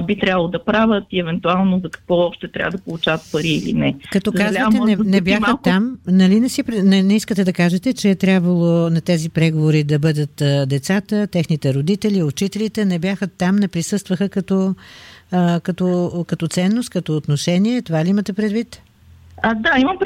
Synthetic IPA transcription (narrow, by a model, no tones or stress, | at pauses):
bit̪ɾʲabəlˠod̪ɐpɾavət̪iɛvɛnt̪ualˠnozɐkɐ̥kvɔɔʃt̪ɛt̪ɾʲa̰vəd̪ɐpolˠut͡ʃavət̪̚pɐɾiːlḭnɛkɐt̪ɔkazlvət̪ɛɛnɛbjaət̪ːamnɐlinɛsipɾnɛnɛiskət̪ɛd̪ɐkaʒɛt̪ɛt͡ʃɛːt̪ɾʲjabvɐlˠonɐt̪ɛzipɾɛɡovoɾid̪ɐbɤd̪ət̪d̪ɛt̪sat̪ət̪ɛxnit̪ɛɾod̪it̪ɛliʊt͡ʃit̪ɛlit̪ɛnɛbjaxət̪ːamnɛpɾisɤst̪vəxəkɐt̪ɔ | kɐt̪ɔkɐt̪ɔt̪sɛnːost̪̚kɐt̪oːt̪noʃɛniɛt̪ovaliimɐt̪ɛpɾɛd̪vit̪ | ad̪aimɐmp